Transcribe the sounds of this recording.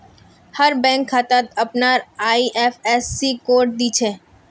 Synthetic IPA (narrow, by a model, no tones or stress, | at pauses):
hɐɾbɛ̃ːŋkʰːaːt̪at̪ɐpnaːɾaːiʔɛːfɛːsːikoːɾʈ̚d̪iːt͡ʃʰeː